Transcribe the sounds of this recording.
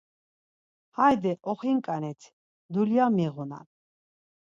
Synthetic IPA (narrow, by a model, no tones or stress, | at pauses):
hajd̪ɛʔɔχiŋkʼanɛt̪ʰ | d̪uljamɛʁɔna̰